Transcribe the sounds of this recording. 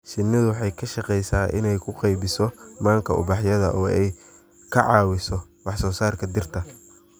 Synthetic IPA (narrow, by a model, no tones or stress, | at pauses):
ʃɪnːɪðʊwɑħɑjkʰɐʃɑqɛjsaːʔɪ̰nɛjkʰʊqɛjbɪsɔmaːŋkʰɐʊ̰bɑħjɐðɐ̰ʔɔːɛj | kʰɐʕɑːwɪsɔ | wɑħsɔːsaːrkʰɐd̪ɪrt̪ʰɐ